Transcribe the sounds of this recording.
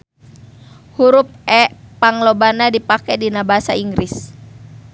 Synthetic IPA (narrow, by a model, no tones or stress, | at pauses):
huɾup̚ɛpaŋlobanadipakɛdinabaɦasaiŋɡɾis